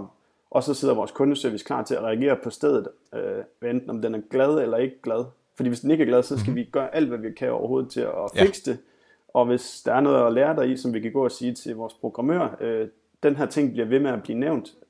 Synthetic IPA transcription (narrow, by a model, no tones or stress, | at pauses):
ʔɒ̽sɒ̽seð̰ˠɐʋɒːskʰɔ̽nəsøɐʋiskʰlɑ̰̈ːt͡sʰe̝æʁɛæɡ̥e̝̰ːɐpʰɒ̽sd̥eð̞ˠð̩ˠ | øend̥n̩ɒ̽md̥enæɐɡ̥lɛð̞ˠelɐe̝ɡ̥əɡ̥lɛð̞ˠ | fɒ̽d̥ḭːʋesd̥eneɡ̥əæɐɡ̥lɛðˠsɒ̽sɡ̥æʋiɡ̥ɶːɐʔæl̰d̥ʋæʋikʰæɒ̰ʊɐɦo̝ːð̞̩ˠt͡sʰe̝lɒfe̝ɡ̥sd̥e̝ | ɒ̽ʋe̝sd̥ɑ̈æɐnɔ̽ːð̩ˠɒleːɐd̥ɑ̈ɪisɒ̽mʋikʰæɡ̥ɔ̰̽ːɒsiːt͡sʰe̝lʋɒːspʰʁo̝ɡ̥ʁɑ̈mø̰ɐ̰ø | d̥enɦæɐ̰t͡sʰe̝ŋ̰b̥liɐʋe̝meæb̥liːneʊn̰d̥